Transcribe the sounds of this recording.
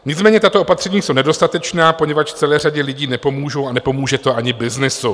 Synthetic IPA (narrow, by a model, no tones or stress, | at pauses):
ɲɪt͡smɛːɲɛt̪at̪oo̞pat̪r̝̥ɛɲiːsownɛdo̞st̪at̪ɛt͡ʃnaːpo̞ɲɛvat͡ʃt͡sɛlɛːraɟɛlɪɟiːnɛpo̞muːʒo̞wanɛpo̞muːʒɛt̪o̞ʔaɲɪbɪznɪsu